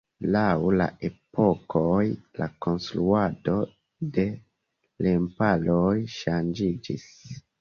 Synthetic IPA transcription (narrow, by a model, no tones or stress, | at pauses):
lawla̰ʔe̞po̞kojlako̞nstɾuado̞ | de̞ | lempalojʃand͡ʒid͡ʒis